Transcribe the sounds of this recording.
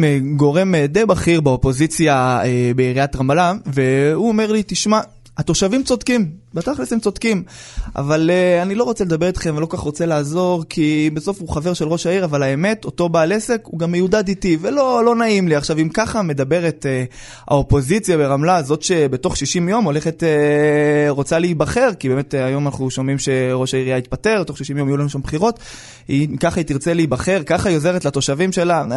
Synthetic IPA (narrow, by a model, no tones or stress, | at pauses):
eɡo̞ʁe̞md̪ejbaχiʁbaopo̞zit͡sjaebeiʁiatʁamalave̞uome̞ʁlit̪iʃma | at̪o̞ʃavimt͡so̞d̪kimbataχlesemt͡so̞d̪̥kimʔa̰valeanilo̞ʁot͡seled̪abe̞ʁit̪χemvelo̞kaχʁo̞t͡se̞laːzo̞ʁkʰibeso̞fuχave̞ʁʃelʁo̞ʃaiʁavalaeme̞to̞to̞baːle̞se̞kuɡamejud̪ad̪itivelolo̞naimliaχʃavimkaχame̞d̪abe̞ʁet | a̰opo̞zit͡sjabe̞ʁamlazo̞tʃe̞be̞to̞χʃiʃimjo̞mo̞le̞χete | ʁo̞t͡salibaχe̞ʁkibeːmet̪ajo̞manaχuʃomimʃe̞ʁo̞ʃaiʁijait̪̚pate̞ʁbeto̞χʃiʃimjo̞majulanuʃambχiʁo̞t | ikaχait̪iʁt͡selibaχe̞ʁkaχajo̞ze̞ʁetlat̪o̞ʃavimʃe̞la